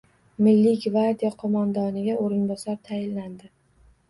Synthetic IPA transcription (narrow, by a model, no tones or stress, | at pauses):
mɪlːɪɡʲvaɾd̪ijaqʰɒmand̪ɒnɪɡʲaʔoɾɪnbɒsɒɾt̪ʰajɪlːand̪ɪ